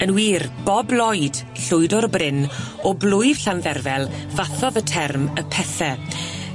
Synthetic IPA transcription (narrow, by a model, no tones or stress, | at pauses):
ənwiːrb̥ɔblɔjd̥ | ɬʊjdɔrbrɪn | ɔblʊjv̥ɬanðɛrvɛlˠ | vaθɔðətʰɛrməpʰɛθɛ